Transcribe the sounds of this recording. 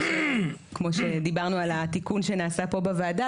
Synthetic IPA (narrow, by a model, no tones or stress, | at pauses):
kmo̞ʃed̪ibaʁnualat̪ikunʃe̞naːsapo̞bavaːda